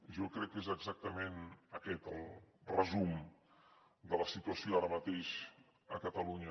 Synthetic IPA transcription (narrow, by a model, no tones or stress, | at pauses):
ʒokɾɛkːezəɡzak̚t̪əmenəkɛt̪əlˠrəzum | d̪ələsit̪uəsioaɾəmət̪eʃ | əkət̪əluɲə